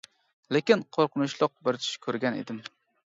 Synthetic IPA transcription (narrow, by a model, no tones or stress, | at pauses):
lekʲɪnqʰoɾqʊnʊʃlˠɑq̚bɪɾt͡ʃ̪ʰɪ̥ʃkʲʰɵɾɡʲanḛd̪ɪm